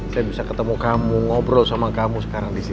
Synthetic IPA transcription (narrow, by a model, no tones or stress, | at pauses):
sajabisakət̪əmukamuŋɔbɾɔsamakamusə̥kaɾaŋdisi